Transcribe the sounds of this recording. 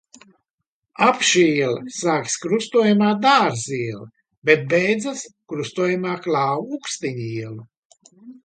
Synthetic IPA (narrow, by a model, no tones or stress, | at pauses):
apʃiiɛlɐsaːkskɾust̪uɔjamaːd̪aːɾziɛlˠɐ | bet̪̚bɛjd̪zaskɾust̪uɔjamaːklˠaːwukst̪iɲiɛlˠu